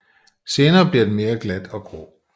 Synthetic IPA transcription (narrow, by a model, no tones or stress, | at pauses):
se̝ːnɐːb̥liɐd̥eme̝ːɐɡ̥læd̥ɒ̽ɡ̥ʁo̰